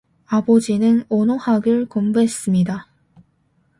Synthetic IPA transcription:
abod͡ʑinɯnonohaɡɯɭkombuɦe̞s͈ɯmɲida

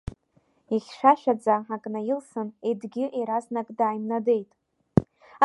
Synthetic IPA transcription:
iχʲʂaʃᶣad͡zaħakʼnajilsɨnedɡʲɪʔeɾaznakʼdaːjmnade̞jtʼ

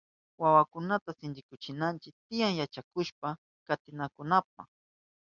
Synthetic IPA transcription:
wawakʊnat̪asɪnd͡ʒɪkʊt͡ʃɪnant͡ʃɪt̪ɪjaŋjat͡ʃakʊʃpa | kat̪ɪnakʊnap̚a̰

